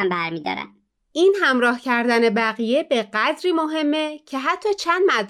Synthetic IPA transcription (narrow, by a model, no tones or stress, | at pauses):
mbæɾmiːd̪ɒ̰ːɾæ̰n | iːnhæmɾɒːhcʰæɾd̪æne̞bæɣije̞be̞ɢæd̪ɾiːmoɦe̞mːecʰe̞ɦæt̪ʰːɒːt͡ʃʰænd̪mæd̪